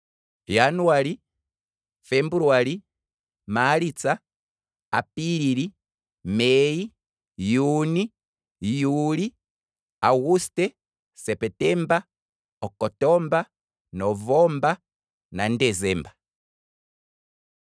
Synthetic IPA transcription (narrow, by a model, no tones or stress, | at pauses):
januwali | fɛmbuɾwali | malit͡sa | apiɾiɾi | mɛi | juni | juli | aɣustɛ | sɛpɛtɛmba | ɔkɔtɔmba | nɔvɔmba | nandɛzɛmba